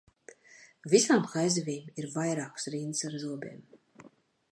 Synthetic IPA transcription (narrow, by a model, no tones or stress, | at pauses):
visaːmkajzɛvʲiːmiɾvajɾaːksɾiːnsaɾzuɔbʲɛ̰ːm